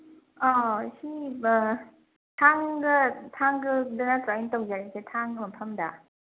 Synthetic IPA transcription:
ɔɕi | tʰaŋɡɯtʰaŋɡɯdɯnatajintawzaɾisetʰaŋɡɯmɐpʰamda

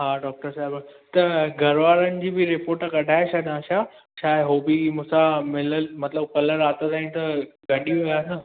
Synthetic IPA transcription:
ɦaːɖɔːk̚ʈəɾsaːɪbət̪ɐɡʱɐɾʋaːɾənɪ̆d͡ʑiːbɪɾɪpoːɾʈkɐɖʱaːeʃaɦd̪ãːʃaː | ʃaːɦeɦoːbimʊ̃sãmɪləlmɐt̪ləb̚kɐləɾaːt̪at̪aːĩt̪ɐɡɐɗijujaːsə

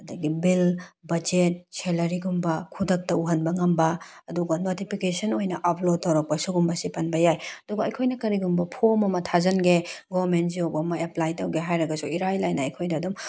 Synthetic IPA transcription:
ɐdɐɡibilbɐd͡ʒet̚selɐɾiɡumbɐkʰudɐk̚tɐuɦɐnbɐŋɐmbɐɐduɡɐnotipʰikesɐnojnɐʔɐpʰlod̚tːɐwɾɐk̚pɐsuɡumbɐsipɐnbɐjajɐduɡɐːjkʰojnɐkɐɾiɡumbɐpʰomɐmɐtʰazɐnɡeɡoɾmentziobɐːmɐeplajtɐwɡeɦajɾɐɡɐsuiɾajlajnɐːjkʰojdɐːdum

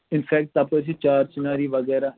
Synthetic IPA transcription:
ɪnpʰɛːk̚ʈt̪ɐpəs̬it͡ʃaːɾt͡ʃɪnaːɾiːʋəɡɛːɾaː

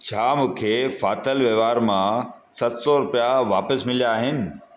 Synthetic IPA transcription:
t͡ɕʰaːmũːkʰefaːt̪əlʋeːʋaːɾmã | sɐt̪sɔɾʊpijaʋaːpəsmɪljaːɦɪnɪ̆

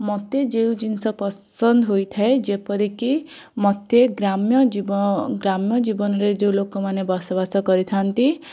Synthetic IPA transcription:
mɔt̪jed͡ʒew̃d͡ʒinsɔpɔsɔnd̪ʱɔɦojt̪ʰaed͡ʒepɔɾiki | mɔt̪jeɡɾamjɔibɡɾamjɔd͡ʒibɔnɔɾed͡ʒew̃lokɔmanebɔsɔbasɔkɔɾit̪ʰant̪i

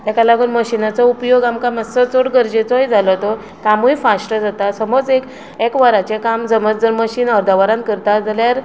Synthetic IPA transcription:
t̪akalaɡuːnməɕinat͡sɔupjoɡamkamasət͡soɽɡəɾd͡ʑet͡sɔɦid͡zʱalɔt̪o | kamujfasʈəd͡zat̪asəmod͡zek | ekʋəɾat͡ɕekamd͡zəməd͡zəɾməɕiːnəɾd̪ʱaʋəɾãnt̪̚kəɾt̪ad͡zaljaɾ

